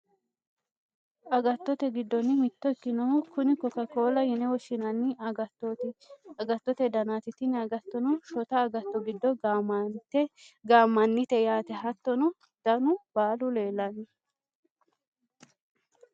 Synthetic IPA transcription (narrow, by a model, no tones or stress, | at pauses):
ʔɐɡɐt̪ːɔt̪ɛɡɪd̪ːɔnːɪmɪt̪ːɔɪkːɪnɔkʊnɪkɔkɐkoːlɐjɪnɛwɔʃːɪnɐnːɪɐɡɐt̪ːɔt̪ɪɐɡɐt̪ːɔt̪ɛd̪ɐnaːt̪ɪt̪ɪnɐɡɐt̪ːɔnɔʃɔt̪ɐːɡɐt̪ːɔɡɪd̪ːɔmt̪ɛɡaːmːɐnːɪt̪ɛjaːt̪ɛɦɐt̪ːɔnʊ | d̪̥ɐnʊbaːlʊle̞ːlːɐnːɪ